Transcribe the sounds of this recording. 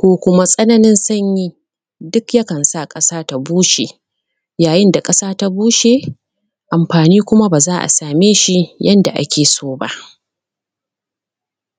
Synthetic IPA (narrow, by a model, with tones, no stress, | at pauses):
kʷoː˦kʷʊ˦ma˦sʼɐ˦nɐ˦nɪ˦nsɐ˦ɲjiː˦ | dʊ˦kjɐ˦kɐ˨nsa˦˨kʼɐ˦saː˦ta˦buː˦ʃeː˨ | jaː˨jɪ˦nda˨kʼɐ˦saː˦ta˦buː˦ʃe˨ | ʔa˨mɸaː˨niː˦kʷʊ˦ma˦baː˨zaː˦ʔa̰˨saː˨meː˦ʃi˦jɐ˦nda˨ʔa̰˦kʲeː˨soː˦ba̰˦ʔ